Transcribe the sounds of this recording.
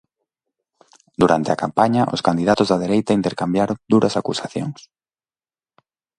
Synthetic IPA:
d̪uɾant̪ɪa̰kampaɲaʔʊ̰skand̪iðat̪ʊzðað̞eɾejt̪aint̪eɾkambjaɾoŋd̪uɾʔɐsakusaθjo̰ŋs

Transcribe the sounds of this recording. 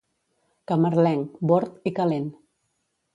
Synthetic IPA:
kaməɾlɛŋboɾt̪ikalen

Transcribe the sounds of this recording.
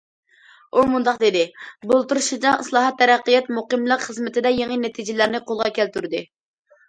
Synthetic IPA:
umund̪ɑqd̪ɪd̪ɪbolˠt̪uɾuʃid͡ʒɑɨslˠɑːɦɑt̪ʰːɛɾæqːəjɛt̪muqəmlˠəqχəzmɪt̪ɪd̪ɛjeŋinɛt̪ʰid͡ʒɪlæɾnɪqolˠʁɑkʲʰælt̪yɾd̪ɨ

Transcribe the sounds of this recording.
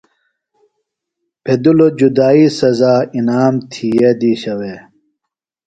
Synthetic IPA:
pʰed̪ulod͡ʑud̪aːisɐzaːinaːmt̪ʰied̪iːɕɐwe

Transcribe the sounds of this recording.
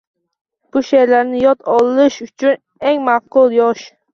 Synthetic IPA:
b̥ʊʃeɾlaɾnɪjɒt̪ʰɒlˠɪʃʊt͡ʃʰʊn | eŋmafqʊlˠjɒʃ

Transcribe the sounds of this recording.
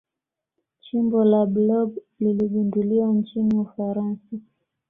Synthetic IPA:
t͡ʃimbɔlaɓlɔɡ | liliɠunduliwant͡ʃiniufaɾansa

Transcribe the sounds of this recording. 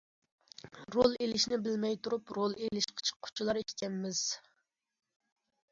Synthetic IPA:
ɾolˠelɪʃnɪbɪlmɛjt̪ʰuɾupɾolˠelɪʃqʰə̥t͡ʃʰə̥qʰːʊ̥t͡ʃʰilˠɑɾiʃk̪ʲɛmːɪz̥

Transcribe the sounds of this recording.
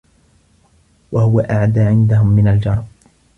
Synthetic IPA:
wahʊwaʔaʕd̪aːʕɪnd̪aɦʊmːɪnald͡ʒɑɾˤb̚

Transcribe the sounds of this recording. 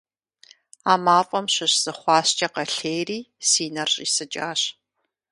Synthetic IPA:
aːmaːfʼɐmɕɨɕz̥ɨχʷɑːɕt͡ʃʼɐqɐɬeːjriːsiːnɐrɕʼiːsɨt͡ʃʼaːɕ

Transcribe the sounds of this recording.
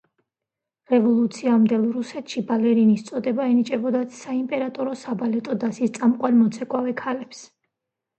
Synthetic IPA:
ɾɛvɔlˠut̪sʰiamd̪ɛlˠɾusɛt̪ʰʃibalɛɾinist̪sʼɔd̪ɛbaɛnit͡ʃʼɛbɔd̪asaimpʼɛɾat̪ʼɔɾɔsabalɛt̪ʼɔd̪asist̪sʼamqʼwanmɔt̪sʰɛkʼwavɛkʰalɛps

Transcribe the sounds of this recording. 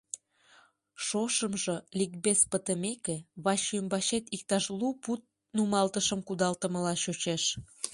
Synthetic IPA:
ʃoʃəmʒolik̚bespət̪əmekeβɑʃymbɑɕet̪ik̚t̪ɑʃluput̪̚ | numɑlt̪əʃəmkud̪ɑlt̪əməlɑɕot͡ɕeʃ

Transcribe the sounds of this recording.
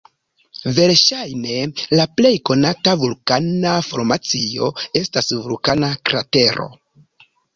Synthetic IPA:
ve̞ɾʃajne̞laple̞jko̞natavulkanafo̞ɾmat͡sio̞e̞stasvulkanakɾa̰te̞ɾo̞̰

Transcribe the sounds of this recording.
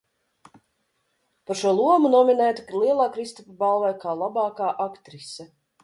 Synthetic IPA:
paɾʃuɔlˠuɔmunɔminɛːt̪u̥lˠiɛlˠaːkɾist̪ɔpabalˠvɛjkaːlˠabɑːkaːʔakt̪ɾisɛ

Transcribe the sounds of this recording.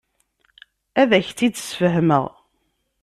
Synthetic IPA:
æðæçt͡s̪ːid̪sfəɦməʁ

